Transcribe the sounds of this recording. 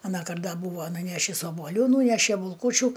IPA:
ɐˈnɑːkɐrt dɐ ˈbuːʋɐ nʊˈnʲæːʃʲɪs oːbuɔˈlʲuː ˈnuːnʲɛʃʲɛ bʊlˠˈkuːt͡ʃʲʊ

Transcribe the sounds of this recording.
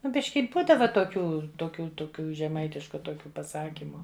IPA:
ˈnʊ ˈbʲɪʃʲkʲɪ ˈbuːdɐʋɐ toːˈkʲuː toːˈkʲuː toːˈkʲuː ʒʲɛˈmɐɪtʲɪʃkʊ toːˈkʲuː pɐˈsɑːkʲɪmʊ

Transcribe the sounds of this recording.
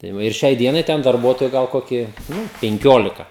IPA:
tɐɪ ˈʋɐ ɪr ˈʃʲɛɪ ˈdʲiɛnɐɪ ˈtʲɛn dɐrˈbuɔtoːjʊ ɡɐlˠ ˈkoːkʲɪ ˈnʊ pʲɛŋʲˈkʲoːlʲɪkɐ

